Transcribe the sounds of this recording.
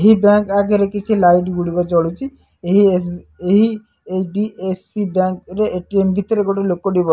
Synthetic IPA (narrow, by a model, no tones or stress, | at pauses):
eɦibaŋkaɡeɾekit͡ʃʰilajʈɡuɽikɔt͡ʃɔɽut͡ʃʰi | eɦiseɦi | eɖiepʰsibaŋkɾeʔeʈiembʱit̪ɔɾeɡoʈelokːoɖibɔ